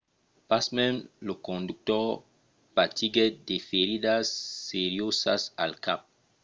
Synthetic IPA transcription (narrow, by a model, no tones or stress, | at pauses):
pasmɛmlokõnduk̚tɔ | patiɡedefeɾidasːeɾjosasa̰lkap̚